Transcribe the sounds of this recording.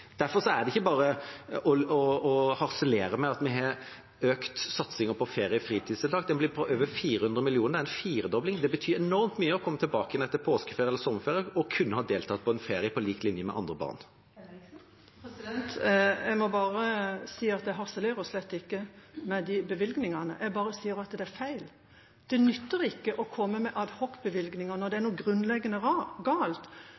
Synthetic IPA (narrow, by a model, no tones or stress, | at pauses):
d̪̥æɾfɔɾʂɔæɖ̪ɛɪçːəbɑːɾəɔɔɔhɑɾsəleːɾəmɛɑt̪mɛɦɑɾ | øːkt̪sɑt̪sɪŋəpʰɔfeːɾɪəfɾiːt̪ʰid̪sɪld̪ɑːɡd̪ɛnblɪpʰɔʔøːʋəɾfiːɾəhʉnd̪ɾəmɪlɪuːnəd̪æɛnfiːɾəd̪ɔblɪŋd̪ɛbət̪ʰyːɾɛnɔɾmt̪myːəɔkʰɔmːət̪ʰɪlbɑːkəjɛnɛt̪ːəpʰoːskəfeːɾɪɛlːəɾsɔmːəfeːɾjəɔkʰʉnːəhɑd̪eːlt̪ʰɑt̪̚pʰɔɛnfeːɾɪəpʰɔliːkt̪lɪnjəmɛ̰ʔɑ̰nd̪ɾəbɑ̰ʁn | t̪ɛɡmɔbɑːɾəsiːɑt̪̚d̪æɦɑʁsəleːɾɔslɛt̪ːɪkːəmɛd̪ɪbəʋɪlɡnɪŋɑnə̰ʔɛɡbɑːɾəsiːəɾɑt̪d̪ɛæɾfæɪl | d̪̥ɛnʏt̪ːəɾɪkːəʔɔkʰɔmːəmɛʔɑd̪hɔkːbəʋɪlɡnɪŋɑnɔʁd̪ɛæɾnuːɡɾʉnːlɛɡənəɡɑːlt̪